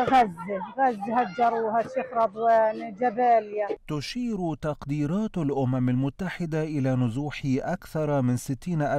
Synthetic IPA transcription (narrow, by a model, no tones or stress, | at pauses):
ɣazːɣazːhad͡ʒɑɾˤuhat̪ːɪfɾɑd̪ˤwand͡ʒabaːljat̪ʊʃiːɾt̪ɑqd̪iːɾɑːt̪alʔʊmamalmʊt̪ːaħɪd̪aʔɪlaːnʊzuːħɪʔakθɑɾˤmɪnsɪt̪ːiːnʔa